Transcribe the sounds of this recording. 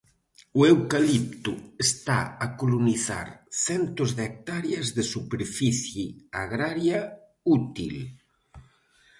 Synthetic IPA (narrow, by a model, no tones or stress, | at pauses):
uewkalip̚t̪uest̪aakoloniθa̰ɾθɛnt̪ozðek̚t̪aɾjazðesupeɾfiθjiaɣɾaɾja | ut̪ḭl